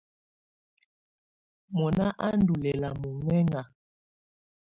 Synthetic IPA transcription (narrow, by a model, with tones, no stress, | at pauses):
mɔ˨na˦ʔa˦n˦du˨lɛ˨la˨mu˨ŋwɛ˦ŋa˨